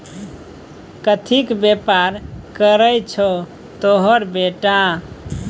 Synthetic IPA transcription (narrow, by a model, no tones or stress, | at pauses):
kət̪ʰikbepaɾkəɾəjt͡ʃʰo | t̪oɦəɾbeʈa